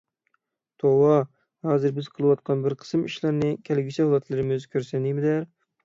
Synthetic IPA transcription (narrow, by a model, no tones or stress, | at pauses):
t̪ʰowɑ | hɑːzɨɾbɪzqʰəlˠɨwɑt̪̚qʰɑnbɪɾqʰə̥sɨmiʃlˠɑɾnɨkʲʰælɡʲit͡ʃʰɛhɑlˠɑt̪ʰlˠɨɾɪmɪzkʲʰøɾsɛnd̪imɪd̪æɾ